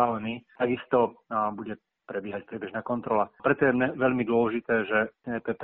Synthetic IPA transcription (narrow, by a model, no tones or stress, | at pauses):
aːlɛniːt̪aɡist̪ɔbuɟɛ | pɾɛbjɛɦac̚pɾɪɛbɛʒnaːkɔnt̪ɾɔlapɾɛt̪ɔjɛmɲɛʋɛʎmid̪ʊɔlɛʒit̪ɛːʒɛɛːpɛːp